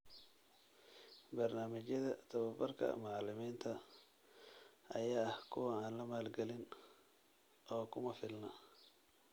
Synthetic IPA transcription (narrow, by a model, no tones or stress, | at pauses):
bɐrnaːmɪt͡ʃjɐðɐt̪ʰɐβɐbɐrkʰɐ̰mɑʕlɪmiːnt̪ʰɐ | ʔɐjaːhkʰʊwɐaːnlɐmaːlɡɛlɪn | ʔɔːkʰʊmɐfɪlnɐ